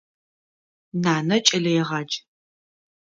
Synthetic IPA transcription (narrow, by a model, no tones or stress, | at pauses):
naːnɐt͡ʃʼɐɮɐjɛʁɑːd͡ʒ